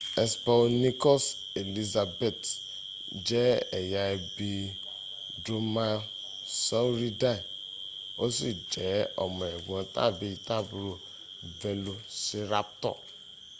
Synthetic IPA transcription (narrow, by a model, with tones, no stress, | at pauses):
ɛ˦spa˦ni˦kɔ˦s | e˨li˧za˧be˨t | d͡ʒɛ˦ɛ˨ja˧ɛ˧bi˧ | do˧ma˧ | sɔ˦ɾi˦da˦˨ | o˦si˦˨d͡ʒɛ˨˦ɔ˨mɔ̃˨ɛ˨ɡʷɔ̃˨ta̰˦˨bi˨˧i˨ta˦˨bu˨˧ɾo˦˨ | vɛ˧lu˧si˧ɾa˦p̚tɔ̰˦˨